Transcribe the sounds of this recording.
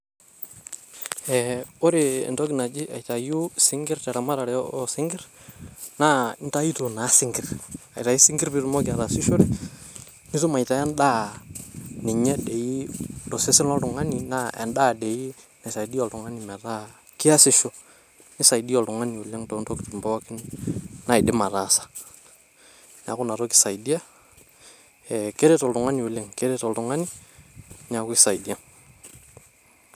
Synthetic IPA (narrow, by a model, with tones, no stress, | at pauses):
ɛ˨ɔ˦ɾɪ̰˨ntɔ˦kna˨d͡ʒɪ˦ʔa˨jta˨jʊ˦sɪ˦ŋɡɪ˦rtɛ˨ɾa˨ma˦ɾa˨ɾɛ˨˦sɪ˦ŋɡɪ˦ɾ | na˦ɪ˦nta˦i˦to˨na˨˦sɪ˦ŋɡɪ˨ra̰˨jta˨i˦sɪ˦ŋɡɪ˦ɾbɪ˦ɾmɔ˦kɪ˨a˨ɾa˨sɪ˦ʃo˦ɾɛ˦ | nɪ˦tu˦ma˨jta˨ɛ˦nda˦ | nɪ˨ɲɛ˦dɛ˨i˦tɔ˨sɪ˦sɪ˦nɔ˦ltʊ˨ŋa˦ni˨na˦ɛ̰˨ndaː˦dɛ˨i˦ | na˨sa˨idi˦ɔ˨ltʊ˨ŋa˦ni˨mɛ˨ɾa˦ | kɪ˦a˦sɪ˦ʃɔ˨ | nɪ˦sa˨idi˦ɔ˨ltʊ˨ŋa˦ni˨o˨le˦ŋto˨nto˦kɪ˨tu˨mbɔ˦kɪ˦nna˨ɪ˨dɪ˦ma˨ɾa˨sḁ˨ | na˨kʊ˦na˨ɾo˦kɪ̥˨sa˨jdi˦a˦ | ɛ˨ke˦ɾɛ˦tɔ˨ltʊ˨ŋa˦ni˨o˨le˦ŋke˦ɾɛ˦tɔ˨ltʊ˨ŋa˦ni˦ | nɪ˨a˨kʊ˦kisa˨jdi˦a˦ŋ